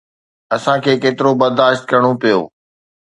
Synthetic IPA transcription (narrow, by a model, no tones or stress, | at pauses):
ɐsãkʰeːkeːt̪ɪɾobɐɾd̪aːʃt̪̚kɐɾəɽ̃opijo̰ː